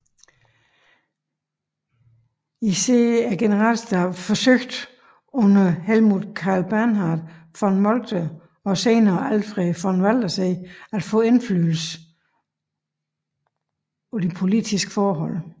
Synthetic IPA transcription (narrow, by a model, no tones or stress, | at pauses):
iseæɡ̥enəʁɑ̰lsd̥ɑfɒ̽søɡ̥d̥ | ɔ̽nɐhelmuðˠkʰɑ̈ːlb̥æɐnɦɑ̈d̥ | fɒnmɒld̥ə | ɒ̽seːnɐːælfʁɛɪfɒnʋæl̰d̥ɐseɪæd̥fɔ̰̽ːe̝nfly̰ːl̩sə | ɒd̥ipʰo̝lid̥isɡ̥ə̥fɒːɦɒ̽l̰